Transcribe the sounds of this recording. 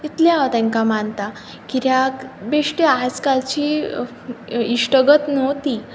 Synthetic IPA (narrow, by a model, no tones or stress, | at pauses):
t̪it̪leat̪ɛ̃ŋkamant̪a | kiɾjakbeʂʈiad͡zkalt͡ɕi | iʂʈəɡət̪nəwt̪i